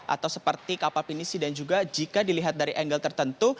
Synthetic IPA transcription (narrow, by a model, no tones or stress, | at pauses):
ʔa̰t̪awsəpərt̪ikapalpinisidand͡ʒuɡad͡ʒikadiliɦat̪̚daɾiʔɛŋɡəlt̪ərt̪ənt̪u